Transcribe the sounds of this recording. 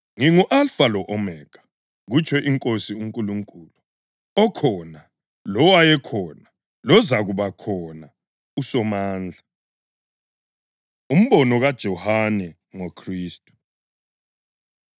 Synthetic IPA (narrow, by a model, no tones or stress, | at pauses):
ŋiŋuʔalfalɔʔɔmɛːkʰḁ | ɣut͡ʃʰɔʔiŋkʼosiuŋkʼuluŋkʼuːlu | ɔkʰɔna | lɔwajɛkʰɔna | lɔzaɣuβakʰɔna | usɔmaːnd͡ɮʱa | um̩βɔnɔɣad̥ʒ̥ʱɔhanɛ | ŋokʰriːstʼu̥